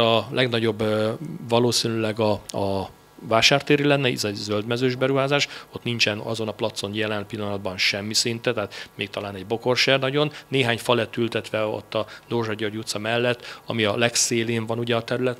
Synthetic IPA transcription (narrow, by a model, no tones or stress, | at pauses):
ɒlʔɛɡnɒɟo̞bːvɒloːsinylɛɡɒɒ | vaːʃaːrt̪eːɾilɛnːɛḭzɛzøld̪mɛzøːʒbɛɾuɦaːzaːʃo̞t̪nint͡ʃɛnɒ̰zo̞nɒplɒt̪so̞njɛlɛnpilːɒnɒd̪̚bɒnʃɛmːisint̪ɛt̪ɛɦat̪meːk̚t̪ɒlaːnɛɟbo̞ko̞rʃɛrnɒɟo̞nːeːɦaːɲfɒlɛt̪ylt̪ɛt̪ʋɛo̞̰t̪ːɒd̪orʒɒɟɒrɟut̪sɒmɛlːɛt̪ːɒ̰miɒlɛkseːleːɱvɒnuɟɛɒt̪ɛɾylɛt̪